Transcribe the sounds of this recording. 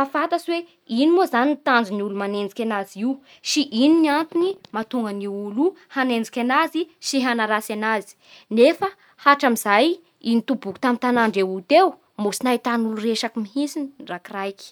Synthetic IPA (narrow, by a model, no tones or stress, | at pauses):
afat̪aswe | inimozanint̪and͡zuniulumanend͡zikʲanaziw | siʔininiant̪inimat̪uŋɡəniwuluhanend͡zi̥kʲanaziʃiɦanaɾasanazi̥ | nefa | haʈ͡ʂamizaj | init̪ubuku̥t̪amint̪anaɳɖ͡ʐeut̪ew | musinajt̪anulureʃakimiɦisinrakirajki̥